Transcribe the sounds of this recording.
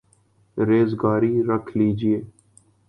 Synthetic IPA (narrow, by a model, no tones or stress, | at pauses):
ɾeːzɡaːɾiːɾəkʰliːd͡ʒɪeː